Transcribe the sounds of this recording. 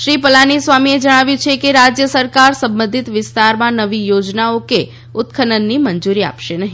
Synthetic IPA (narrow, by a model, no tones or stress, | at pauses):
ʃɾipəlanisʋamied͡ʒəɽ̃aʋjũt͡ʃʰekeɾad͡ʒjəsəɾkaɾsə̃mbə̃nd̪ʱit̪ʋɪst̪aɾmãnəʋijod͡ʒnaoke | ʊt̪kʰənənːimənd͡ʒuɾia̰pʃenəɦi